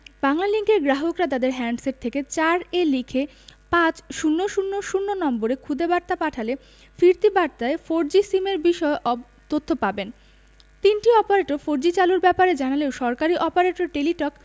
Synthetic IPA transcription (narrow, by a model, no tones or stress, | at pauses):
baŋlaliŋkeɾɡɾaɦokɾat̪ad̪eɾɦɛɳɖseɾ̚t̪ʰeket͡ɕaɾelikʰe | pãt͡ɕʃunːoʃunːoʃunːonɔmboɾekʰud̪ebaɾt̪apaʈʰale | fiɾt̪ibaɾt̪aefoɾd͡ʑisimeɾbiʃɔeʔɔ | t̪ot̪ʰːopaben | t̪inʈiɔpaɾeʈoɾfoɾd͡ʑit͡ɕaluɾbɛpaɾed͡ʑanaleoʃɔɾkaɾiʔɔpaɾeʈoɾʈeliʈɔk